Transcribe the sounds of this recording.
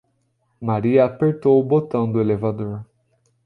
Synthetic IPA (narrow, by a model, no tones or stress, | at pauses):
maɾiɐapeɾt̪owʊbot̪ɐ̃w̃d̪ʊelevad̪oɾ